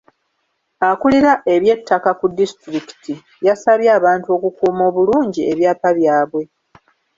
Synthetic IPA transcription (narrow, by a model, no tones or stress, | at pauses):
akuliɾaʔe̞βje̞tʰːakakudistɾiki̥tʰi | jasaβjaːβaːntuo̞ːkukuːmo̞ːβuluːɲɟie̞βjaːpaβjaːβwe̞